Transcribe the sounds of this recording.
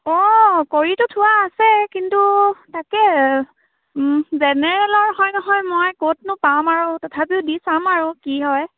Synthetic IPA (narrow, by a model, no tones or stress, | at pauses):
ɔkoɹitʊtʰʊwaːsɛkintutakɛ | zɛnɛɹɛlɔɹɦɔjnɔɦɔjmojkot̚nʊpamaɹʊtɔtʰap̬iʊdisamaɹukiɦɔj